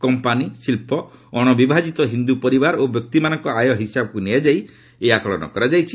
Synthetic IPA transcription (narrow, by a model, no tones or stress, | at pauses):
kɔmpanisilpɔɔɽ̃ɔbibʱad͡ʒit̪ɔɦind̪upɔɾibaɾobjɔk̚t̪imanɔŋkɔajɔɦisabɔkunead͡ʒaj | eakɔɭɔ̰nɔ̰kɔɾad͡ʒajt͡ʃʰi